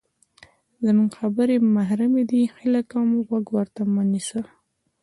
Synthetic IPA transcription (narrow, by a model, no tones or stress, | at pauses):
zəmuŋɡxabəɾemaɦɾamed̪ixɪləkamɣwaɡwəɾt̪amanisə